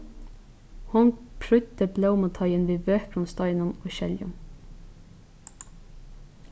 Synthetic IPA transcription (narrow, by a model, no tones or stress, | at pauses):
hʊnpʰɹʉt̪əbləʊmət̪ʰɑɪənʋiːʋøːkɾʊnst̪ɑɪnənoːʃɛljʊ̰n